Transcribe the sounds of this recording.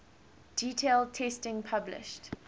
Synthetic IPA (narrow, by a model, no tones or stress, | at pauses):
d̥iːtʰel̚ˠtʰɛstɪ̃ŋpʰablɪ̰ʃt